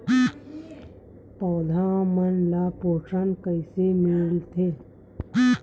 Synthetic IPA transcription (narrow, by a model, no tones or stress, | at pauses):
pɔːd̪ʱãːmənlaːpoːʈənkəɪsemɪlt̪ʰeː